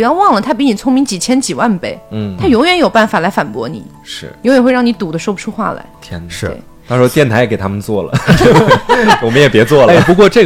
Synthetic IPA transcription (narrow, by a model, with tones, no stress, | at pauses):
u˨˩jɑ˥˧ʊwɑ˥˩ŋlə˩t̪ʰa˥pi˧˥ni˨˩t͡sʰʊ˥ŋmi˧˥ŋt͡ɕi˨˩t͡ɕʰjɛ˥nt͡ɕi˨˩wa˥˩npe˥˩ɪn̩˥˩t̪ʰa˥jo˧˥ŋɥɛ˧˥njo˨˩ʊpa˥˩nfa˨˩la˧˥ɪfa˨˩npwɔ̰˧˥nḭ˨˩˦ | ʂɻ̩̰˥˩jo˧˥ʊɥɛ˨˩nxwɪɻɑ˥˩ŋni˧˥t̪u˨˩d̪ə˦ʂo˥pʈ͡ʂʰu˥xwa̰˥˩la̰˧˥ɪt̪ʰjɛ̰˧˥n̰˥ḛ˥˩a˥ʂt̪jnt̪ʰa˧˥ɪjɛ˧˥ke˨˩t̪ʰa˥mə˨nt͡swɔ˥˩lə̰˩ | wɔ˨˩mə˦njɛ˨˩pjɛ˧˥t͡swɔ˥˩ləpu˧˥kwɔ˥˧ʈ͡ʂɤ˥˩